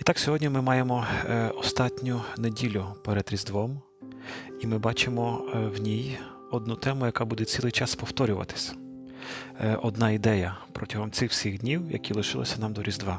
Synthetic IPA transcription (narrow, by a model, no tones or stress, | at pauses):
it̪ɑksʲɔɦɔdʲnʲimɪmɑjemɔɔst̪ɑtʲnʲʊnedʲilʲʊpeɾed̪ɾʲizd̪ʋɔm | imɪbɑt͡ʃɪmɔwnʲij | ɔd̪nut̪ɛmʊjɐkɑbud̪ɛt͡sʲilˠɪjt͡ʃɑspɔwt̪ɔɾʲʊʋɐ̰t̪ɪ̥sʲɐ̥ | ɔd̪nɑid̪ɛjɐpɾʔɔtʲɐɦɔmt̪sɪxw̥sʲiɣdʲnʲiwjɐ̰kʲilˠɪʃɪlˠɪ̰sʲɐnɑmd̪ɔɾʲizd̪ʋɑ